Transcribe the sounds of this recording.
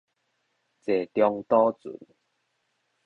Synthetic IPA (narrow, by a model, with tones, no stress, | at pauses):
t͡se˨˩t̪jɔ˧ŋt̪ɔ˦t͡sṵ˨˦n